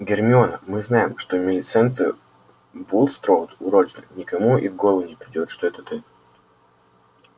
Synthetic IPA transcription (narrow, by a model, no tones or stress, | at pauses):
ɡʲɪrmʲɪo̞nəmɨznajɪmʂt̪omʲɪlʲɪt̪sɛnt̪ɨ̰ | bulˠst̪ɾowt̪ʊɾot͡ɕnɨ̰nʲɪkɐmuivɡolˠəʊnʲɪpɾʲɪdʲo̞t̪ʂt̪oɛt̪ət̪ɨ